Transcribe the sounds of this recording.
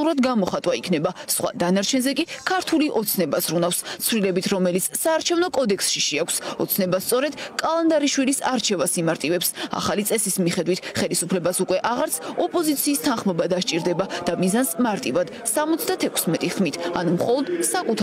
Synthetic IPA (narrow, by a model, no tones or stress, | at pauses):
uɾad̪ɡamɔχat̪ʼwaikʰnɛbasχwa̰d̪anaɾt͡ʃʰɛnzɛkʼikʰaɾt̪ʰuliʔɔt̪sʰnɛbasɾunafst̪sʰwvlilɛbit̪ʰɾɔmɛlit̪sʰsaːɾt͡ʃʰɛvnɔkʼɔd̪ɛkʰsʃiʃiakʷʰsɔ̰t̪sʰnɛbast̪sʼɔɾɛd̪̥kʼalˠand̪aɾiʃwilisa̰ɾt͡ʃʰɛvasimaɾt̪ʼivɛpsa̰χalit̪sʼɛsismiχɛd̪wit̪ʰχɛlisupʰlɛbasukʼwɛʔaʁaɾt̪sʰɔpʼɔzit̪sʰiːst̪ʰanχmɔbad̪aʃt͡ʃʼiɾd̪ɛbad̪̥amizansmaɾt̪ʼivad̪̥samɔt̪sʰd̪at̪ʰɛkʰsmɛt̪ʼiχmit̪ʰa̰numχɔlˠɔd̪sakʼut̪ʰ